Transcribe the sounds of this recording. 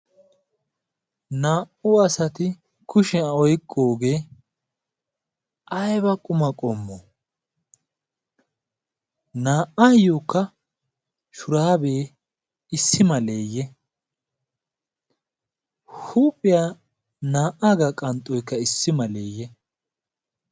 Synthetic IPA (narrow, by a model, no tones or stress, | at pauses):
naːʔʊɐsɐt̪ɪ | kʊʃɛɔjkʼːo̞ːɡe̞ː | ʔɐjbɐkʼʊmɐkʼɔmːɔ | naːʔajoːkːɐ | ʃʊɾaːbeː | ɪsːɪmɐleːjːɛ | huːpʼːɪjaː | naːʔaɡɐkʼɐnt̪ʼːɔjkːɐɪsːɪmɐlḛːjːɛ